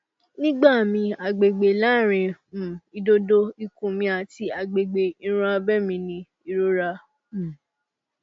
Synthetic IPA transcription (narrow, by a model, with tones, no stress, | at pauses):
nĩ˦ɡ͡ba˦˨mĩ˧a˨ɡ͡be˨ɡ͡be˨la˦˨ɾ̃ĩ˧˨i˧do˦do˧i˧kũ˨mĩ˧a˨ti˧˦a˨ɡ͡be˨ɡ͡be˨i˦˧ɾ̃ã˧bɛ˦˨mĩ˧nĩ˧ | i˧ɾo˦ɾa˧˨